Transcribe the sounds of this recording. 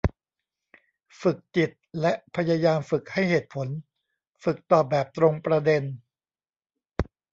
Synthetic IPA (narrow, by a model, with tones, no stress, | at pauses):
fɯ˨˩k̚t͡ɕi˨˩t̪̚lɛ˦˥ʔpʰa˧ja˧jaː˧mfɯ˨˩k̚ha˥˩jheː˨˩t̪̚pʰo˩˦n | fɯ˨˩k̚t̪ɔː˨˩p̚bɛː˨˩p̚t̪ɾo˧ŋpɾa˧de˧n